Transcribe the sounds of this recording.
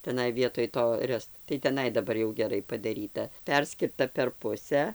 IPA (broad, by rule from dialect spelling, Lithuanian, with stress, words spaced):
tʲɛˈnɐɪ ʋʲiɛtoːj ˈtoː ˈrʲɛst tɐɪ tʲɛˈnɐɪ dɐˈbɐr jɛʊ ɡʲɛˈrɐɪ pɐdɐˈrʲiːtɐ ˈpʲɛrʲsʲkʲɪrtɐ pʲɛr ˈpʊsʲæː